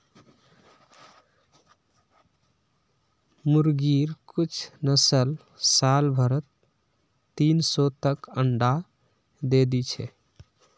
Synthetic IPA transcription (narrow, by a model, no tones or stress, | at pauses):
muɾɡiɾkut͡ʃʰnəsəl | salbʱəɾət̪ː | insɔt̪əkəɳɖa | d̪ed̪it͡ʃʰɛ̰